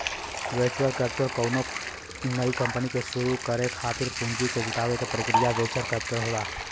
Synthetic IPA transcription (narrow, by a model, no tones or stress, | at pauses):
ʋeːt͡ʃuwəlkəp̚t͡ʃəɾkəwno | nəikɐ̃mpənikesuɾukəɾekʰaːt̪ɪɾpʊ̃nd͡ʒiked͡ʒɪʈ̪aːʋekepɾəkɾijaʋeːt͡ʃəɾkəpt͡ʃəɾɦolaː